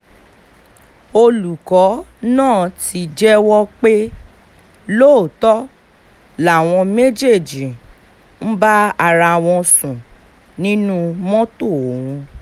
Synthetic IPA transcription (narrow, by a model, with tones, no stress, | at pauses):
o˧lu˨kɔ˨˦nãː˦˨ti˧d͡ʒɛ˦wɔ˦k͡pe˦ | lo˦˨tɔ˦ | la˦˨w̃ɔ̃˧me˦d͡ʒe˦˨d͡ʒi˨ | n̩˦ba˦a˧ɾa˧˨w̃ɔ̃˧sũ˨ | nĩ˦nũ˦mɔ̃˦to˦˨wũ˧